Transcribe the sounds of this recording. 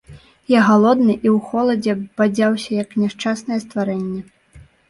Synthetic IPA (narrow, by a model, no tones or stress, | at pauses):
jaɣalˠɔd̪nɨʔiwxɔlˠɐd͡zʲɛbad͡zʲawsʲɐjɐknʲɛʂt͡ʂasnɐjɛst̪vaɾɛnʲːɛ